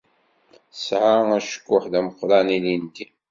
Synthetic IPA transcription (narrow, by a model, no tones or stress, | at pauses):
sʕaæʃə̥kːʊħðæməqːɾˤɑnilint̪i